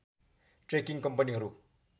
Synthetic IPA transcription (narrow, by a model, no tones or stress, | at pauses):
ʈrekiŋkʌmpʌniɦʌɾu